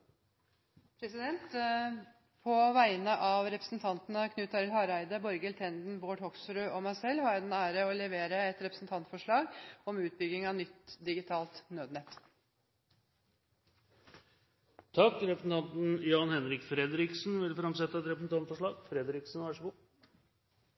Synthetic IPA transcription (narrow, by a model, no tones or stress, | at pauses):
pʰɾɛsɪd̪ɛnt̪ | pʰɔʋæɪnəʔɑʋɾɛpɾəsn̩t̪ʰɑnt̪ənəkʰnʉːt̪ɑɾɪlhɑɾæɪd̪əbɔɾɡɛlt̪ʰɛnd̪n̩boːʈhɔksɾʉɔmæɪsɛlhɑɾjæɪd̪ɛnæːɾəɔlɛʋeːɾəɛt̪ɾɛpɾəsn̩t̪ʰɑnt̪fɔʂɭɑːɡɔmʉːt̪̚bʏɡɪŋɑnʏt̪d̪ɪɡɪt̪ʰɑːlt̪nøːd̪nɛt̪ː | t̪ʰɑkːɾɛpɾəsn̩t̪ʰɑnt̪n̩jɑːnhɛnɾɪkfɾɛd̪ɾɪksnʋɪlfɾɑmsɛt̪ːəɛt̪ɾɛpɾəsn̩t̪ɑnt̪fɔʂɭɑːɡfɾɛd̪ɾɪksn̩ʋɑʂəɡu